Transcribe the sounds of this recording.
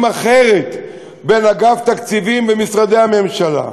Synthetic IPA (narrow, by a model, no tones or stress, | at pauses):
maχeʁet̪ | be̞naɡaft̪akt͡sivimbemisʁad̪e̞jame̞mʃala̰